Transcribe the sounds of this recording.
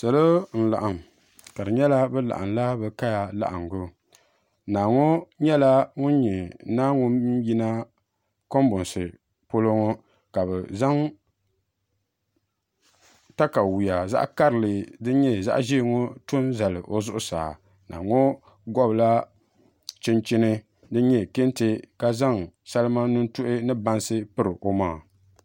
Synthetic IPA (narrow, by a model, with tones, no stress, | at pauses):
sa˨lo˦n̩˨la̰˨ʔa˨m˨ | ka˨dɨ˨ɲɛ˦la˦bɛ˦la̰˨ʔa̰˨nla˦bɛ˨ka˦ja˨la̰˨ʔa˨ŋɡo˦ | naː˨ŋo˦ɲɛ˦la˦ŋʊ˦n˦ɲi˨naː˦ŋʊ˦ji˦na˦ | ko˦m˦bʊ˨n˨sɨ˨ | po˦lo˦ŋo˦ | ka˨bɛ˨za˦ŋ | ta˦ka˨wu˨ja˨za̰˦ʔka˦ɾɨ˨lɨ˨dɨ˦ɲɛ˦za̰˦ʔʒi˦˨ŋo˦tʊ˦nza˨lɨ˨ʔo˦zʊ˦ʔʊ˦sa̰ː˨ | nʔa̰˨ŋo˦ | ɡɔ˦bla˦ | t͡ʃɪ˦nt͡ʃɪ˦nɨ˦ | dɨ˦ɲɛ˦˨ke˦ntɪ˦ka˦za˦ŋsa˦lɨ˦ma˦nu˦n̩˦tʊ˦ʔɪ˦nɨ˦ba˦nsɨ˦pɨ˦ɾɨ˨ʔo˨ma˦˨